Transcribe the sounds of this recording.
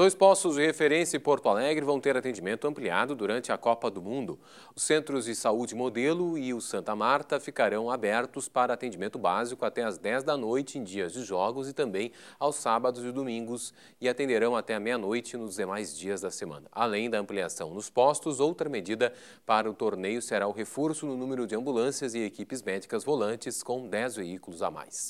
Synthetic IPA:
d̪ojspɔst̪ʊzd͡ʒɪhefeɾẽsjɐɪpoɾt̪ʊalɛɡɾɪvɐ̃w̃t̪eɾat̪ẽd͡ʒimẽnt̪ʊɐ̃mplia̰d̪ʊd̪uɾɐ̃nt͡ʃɪɐkɔpɐd̪ʊmũnd̪ʊ | ʊsẽnt̪ɾʊzd͡ʒɪsaud͡ʒɪɪmod̪elʊɪʊsɐ̃nt̪ɐmaɾt̪ɐfikaɾɐ̃w̃abɛɾt̪ʊspaɾɐaːt̪ẽnd͡ʒimẽnt̪ʊbazikʊat̪ɛɐzd̪ɛzd̪ɐnojt͡ʃɪẽj̃d͡ʒiɐzd͡ʒɪʒɔɡʊzɪt̪ɐ̃mbẽj̃ | awsabɐd̪ʊzd͡ʒɪd̪omĩŋɡʊs | ɪat̪ẽnd̪eɾɐ̃w̃at̪ɛɐmejɐnojt͡ʃɪnʊzd̪emajzd͡ʒiɐzd̪ɐsemɐ̰̃nɐʔalẽj̃d̪ɐɐ̃pliasɐ̃w̃nʊspɔst̪ʊzowt̪ɾɐmed͡ʒid̪ɐ | paɾɐʊt̪oɾnejʊseɾaʊɦefoɾsʊnʊnũmeɾʊd͡ʒɪɐ̃mbulɐ̃sjɐzɪekipɪzmɛd͡ʒikɐzvolɐ̃nt͡ʃɪskõw̃d̪ɛzveikulʊza̰ma̰js

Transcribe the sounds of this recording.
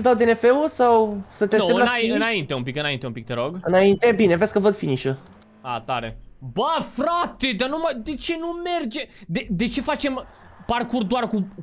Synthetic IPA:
əsd̪awd̪enefeusawsət̪etoeɨlnaɨnaint̪e̞umpikɨnaint̪eumpik̚t̪eɾoɡɨnaint̪ebine̞veskəvəd̪finiʃu | a̰t̪a̰ɾḛbafɾat̪ed̪anumajd̪e̞t͡ʃe̞nume̞rd͡ʒed̪ed̪e̞t͡ʃe̞fat͡ʃe̞m | parkurd̪oarku

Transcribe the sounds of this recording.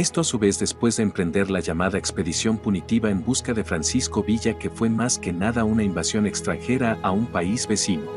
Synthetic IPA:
e̞st̪o̞asuβe̞zðe̞spwe̞zðeːmpɾe̞nd̪e̞ɾlaʝamaðaekspe̞ðisjo̞mpunit̪iβaembuskaðe̞fɾansiskoβiʝake̞fwe̞maske̞naðaunaimbasjo̞ne̞kst̪ɾaŋxe̞ɾaʔaumpaizβe̞sino

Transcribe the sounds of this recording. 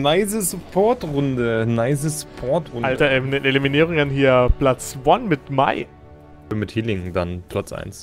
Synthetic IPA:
naɪzəspʰɔɐtʁʊndənaɪzəspʰɔɐtʁʊnaltɐnəʔeliminiːʁ̞ʊŋanɦiːɐplat͡svanmɪtma̰ɪ | fyɐmɪthiːlɪŋdanpʰl̥at͡sʔa̰ɪns

